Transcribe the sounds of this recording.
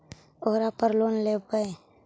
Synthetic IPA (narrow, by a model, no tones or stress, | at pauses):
oːɾapəɾloːnlepəe